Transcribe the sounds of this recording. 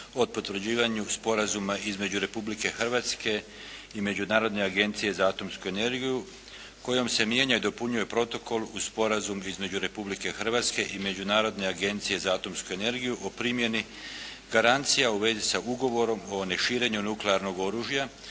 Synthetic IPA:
o̞t̪pot̪ʋɾ̩d͡ʑiːʋaɲuspo̞ɾazumaʔizme̞d͡ʑuɾe̞publike̞xr̩ʋat̪ske̞ | ime̞d͡ʑunaːɾo̞d̪ne̞aɡe̞nt̪sije̞zaaːt̪o̞mskue̞ne̞ɾɡiju | ko̞jo̞mse̞mje̞ɲaid̪opuɲuje̞pɾo̞t̪o̞kʰo̞luspo̞ɾazumizme̞d͡ʑuɾe̞publike̞xr̩ʋat̪ske̞ʔime̞d͡ʑunaːɾo̞d̪ne̞aɡe̞nt̪sije̞zaaːt̪o̞mskue̞ne̞ɾɡijuʔopɾimje̞ni | ɡaɾant̪sijauʋe̞zisauɡo̞ʋo̞ɾo̞mo̞ne̞ʃiːɾe̞ɲunukleaɾno̞ɡo̞ɾuːʒja

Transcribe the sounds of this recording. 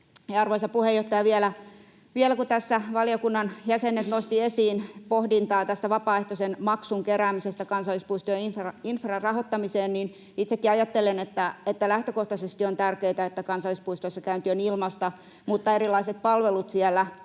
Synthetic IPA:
eɑrʋoisɑpuhejoht̪ːɑjɑʋiɛlæ | ʋielækut̪æsːæʋɑliokunːɑnjæsenːet̪nost̪iesiːnpohdint̪ɑːt̪æst̪æʋɑpɑːeht̪osenmɑksuŋkeɾæːmisest̪ækɑnsɑlːˑispuist̪ojeifrɑinfrɑrɑhot̪ːɑmiseːnnin | it̪sekːiɑjɑt̪ːelenet̪ːæet̪ːælæht̪økoht̪ɑsest̪iont̪ærkeit̪æet̪ːækɑnsɑlːˑispuist̪oisːɑkæynt̪yønilmɑst̪ɑ | mut̪ːɑeɾilːˑɑiset̪̚pɑlʋelut̪siælːˑæ

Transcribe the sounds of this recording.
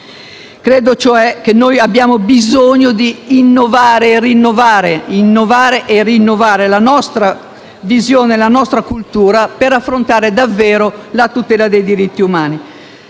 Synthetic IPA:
kɾeːd̪ot͡ʃoɛk̟enːojabːjaːmobizoɲːod̪iːnːovaːɾeːrinːovaːɾeinːovaːɾeʔerinːovaːɾelanɔst̪ɾa | vizjoːnelanɔst̪ɾakult̪uːɾapeɾafːɾont̪aːɾed̪avːɛːɾolat̪ut̪ɛːlad̪ejd̪iɾit̪ːiumaːni

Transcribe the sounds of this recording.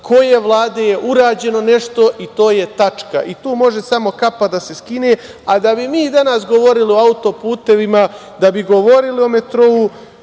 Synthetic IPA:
kʰo̞je̞ʋlˠaːd̪e̞je̞ʔuɾaːd͡ʑe̞no̞ne̞ʃt̪o̞ʔit̪o̞ːje̞t̪at͡ʃka̰ʔit̪uːmo̞ʒe̞samo̞kapad̪ase̞skineː | ad̪abimiːd̪anasɡo̞ʋo̞ɾilio̞aut̪o̞puːt̪e̞ʋima | d̪abiɡo̞ʋo̞ɾilio̞me̞t̪ɾou

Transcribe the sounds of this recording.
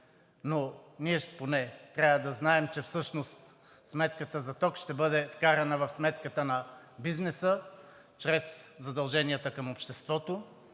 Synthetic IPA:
noniɛponɛt̪ɾʲavəd̪ɐznaɛmt͡ʃɛfsɤʃnost̪ | smɛt̪kət̪əzɐt̪ɔkʃt̪ɛbɤd̪ɛfkaɾɐnəvɐfsmɛt̪kət̪ənɐ | biznɛsə | t͡ʃɾɛszɐd̪ɐlˠʒɛniɐt̪əkɐmopʃt̪ɛst̪vɔt̪o

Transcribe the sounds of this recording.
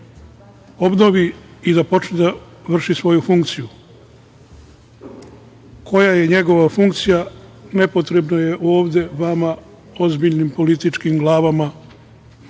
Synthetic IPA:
o̞bno̞ʋiid̪apo̞t͡ʃnid̪a | ʋr̩ʃisʋo̞jufuŋkt̪siju | kʰo̞jajeɲe̞ɡo̞ʋafuŋkt̪sijane̞po̞t̪ɾe̞bnaje̞ʔo̞ːʋd̪e̞ʋama | o̞zbiʎnimpo̞lit̪it͡ʃkimɡlˠaːʋama

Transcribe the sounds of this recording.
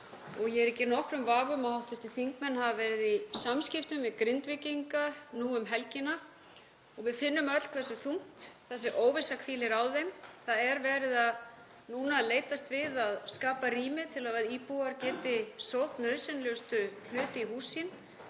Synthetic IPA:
ɔɣjɛɛɾɛcːɪɾnɔhkɾʏmvaːɣʏmaðhawht̪ʏst̪ɪθiŋkmɛnːhavavɛɾɪðisamscɪft̪ʏmvɪðkɾɪnt̪vɪciŋkanuːʏmɦɛlcɪna | ɔɣvɪðfɪnːʏmœt̪l̥kʰv̥ɛsʏθuŋ̥t̪θɛsːɪʔoːwvɪsakʰviːlɪɾaːwðejmθaðɛɾvɛːɾɪðað | nuːnaleːjt̪ast̪vɪðaðskaːpariːmɪt̪ʰɪlavaðiːpuaɾcɛːt̪ɪsowht̪nœðsɛnlʏst̪ʏl̥ʏːt̪ɪihuːsin

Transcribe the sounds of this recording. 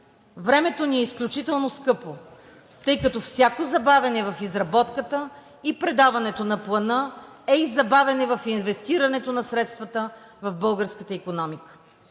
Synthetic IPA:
vɾɛmɛt̪oniɛisklʲut͡ʃit̪ɛlˠnoskɤpo | t̪ɤjkɐt̪ɔfsʲjakozɐbavʲɐnɛvɐfizɾɐbɔt̪kət̪ə | ipɾɛd̪avɐnɛt̪onɐplˠɐnɤ | ɛizɐbavɛnɛvɐfinvɛst̪iɾɐnɛt̪onɐsɾɛt̪st̪vət̪ə | vɐvbɤlˠɡəɾskət̪əikonɔmikə̥

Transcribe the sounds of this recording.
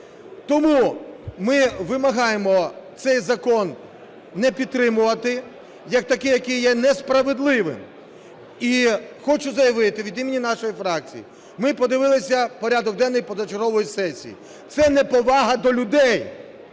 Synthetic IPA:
t̪ɔmumɪʋɪmɐɦɑjemɔt̪sɛjzɐkɔnː | ɛpʲid̪̚t̪ːɾɪmʊʋɐt̪ɪ | jɐk̚t̪ɐkɪjɐkɪjjɛnɛspɾɐʋed̪lˠɪʋɪ̰m | ixɔt͡ʃʊzɐjɐʋɪt̪ɪʋʲid̪imʲenʲinɑʃɔjifɾɑk̚t͡sʲḭjḭ | mɪpɔd̪ɪʋɪlˠɪsʲɐpɔɾʲad̪ɔk̚d̪ɛnːɔjpɔzɐt͡ʃɔɾɔʋɔjisɛsʲḭjḭ | t̪sɛnɛpɔʋɑɦɐd̪ɔlʲʊd̪ɛj

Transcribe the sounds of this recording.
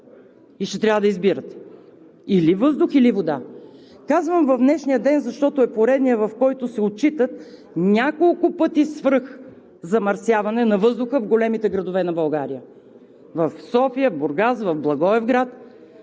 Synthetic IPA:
iʃt̪ɛt̪ɾʲavəd̪əizbiɾət̪ | ilivɤzd̪ʊxilivod̪a | kazvəmvɐvd̪nɛʃnijəd̪ɛnzɐʃt̪ɔt̪ʊɛpoɾɛd̪nijəvɐfkɔjt̪ʊsɛot̚t͡ʃit̪ət̪ | nʲakolˠkʊpɤt̪isvx | zɐmɐɾsjavɐnɛnɐvɤzd̪ʊxəvɡolɛmit̪ɛɡɾɐd̪ʊvɛnɐbɐlˠɡaɾijə | vɐfsɔfijəvbʊɾɡasvɐvblˠɐɡɔɛvɡɾat̪

